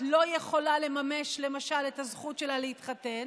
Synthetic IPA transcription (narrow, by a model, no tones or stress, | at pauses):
lo̞je̞χo̞lale̞mame̞ʃle̞maʃaletazχutʃe̞lalehitχate̞n